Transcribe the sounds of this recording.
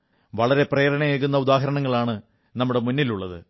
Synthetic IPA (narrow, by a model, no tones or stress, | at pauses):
ʋɐɭɐɾe̞prɐjɐɾɐɳɐjeːk̬ːunːɐud̪aːɦɐɾɐɳɐŋːɐɭaːɳɨ | nɐmːuɽe̞munːiluɭːɐðɨ̰